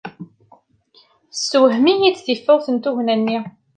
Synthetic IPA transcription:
swhmijit͡sːθifːʊʁθənt̪uʝnænːi

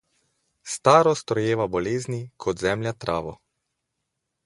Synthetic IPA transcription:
st̪aːɾɔst̪ɾɔjeːʋabɔleːznikʰɔd̪zɛmljat̪ɾʔaːʋɔ

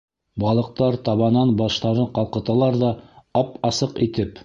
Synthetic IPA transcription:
bɑlˠɤ̆q̚t̪ɑɾt̪ɑβɑnɑnbɑʃt̪ɑɾɤqɑlˠqɤ̆t̪ɑlˠɑɾðɑɑpɑsɤqit̪ɘp

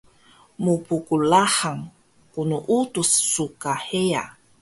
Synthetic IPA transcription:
mupukulaħaŋ | kunuʔutusːukaheja̰

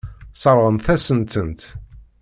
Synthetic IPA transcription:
sˤəɾˤʁənθæsənt̪ənt̪

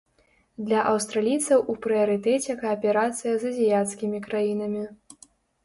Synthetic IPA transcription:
d̪lʲɐʔɐwst̪ɾalʲijt̪sɐwʔupɾɨjɐɾɨt̪ɛt͡sʲɛkaːpʲɛɾat̪sɨjɐzɐzʲijat̪skʲimʲikɾajinɐmʲi

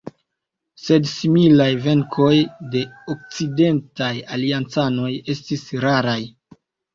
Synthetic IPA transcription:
se̞dsimilajve̞ŋkʰo̞jde̞ok̚t͡side̞ntajaliant͡sano̞je̞stisɾaɾaj

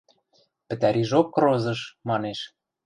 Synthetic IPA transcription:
pɘ̆t̪æɾʲiʒokːrozɤ̆ʃmɑneʃ

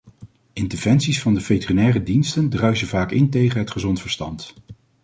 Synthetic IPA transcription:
ʔɪntəɹv̥ɛnsisfɑndəvejtərinɛːrədinstəndrœɥzəvaːkɪntejχənɦətχəzɔntfəɹstɑ̰nt

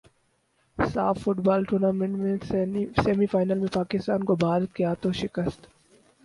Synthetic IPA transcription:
saːfːʊʈbaːlʈuːnaːmẽɳʈmẽseːmifaːɪnəlmẽpaːkɪst̪aːnkobʱaːɾət̪̚keaːt̪õʃɪkəst̪

